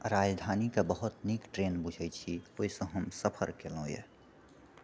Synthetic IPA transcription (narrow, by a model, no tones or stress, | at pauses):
ɾad͡ʒd̪ʱanikebəɦʊt̪nikʈɾenbud͡ʒʱɛt͡ʃʰioisə̃ɦəmsəpʰə̰ɾkelõjḛ